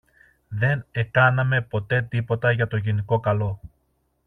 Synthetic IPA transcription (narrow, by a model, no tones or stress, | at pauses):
ðe̞ne̞kɐnɐme̞po̞t̪e̞t̪ipo̞t̪ɐʝɐt̪o̞ʝiniko̞kɐlo̞